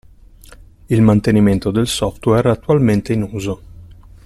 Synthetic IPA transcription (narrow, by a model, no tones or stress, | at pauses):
ilmant̪eniment̪od̪elsɔft̪wɛrat̪ːualment̪einuːzo